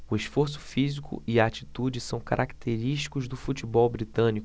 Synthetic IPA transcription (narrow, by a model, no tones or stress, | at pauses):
ʊeʃfoɾs̬ʊ̥fizikʊ̰ɪaat͡ʃi̥t̪ud͡ʒɪsɐ̃w̃kaɾʔakt̪ʰeɾiʃt͡ʃi̥kʊzd̪ʊfut͡ʃibɔwbɾit̪ɐ̃nikʊ